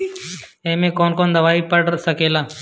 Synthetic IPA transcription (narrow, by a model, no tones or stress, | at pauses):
ẽːmẽːkoːnkoːnd̪əʋaːiːpəɽsəkeːlaː